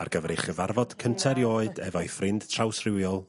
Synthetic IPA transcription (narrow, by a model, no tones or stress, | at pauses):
a̰rɡəvɾeχəvarvɔd̥kʰəntʰɛɾjoːɨdɛvɔɨfrɪnd̥tʰrawsrɪwjɔlˠ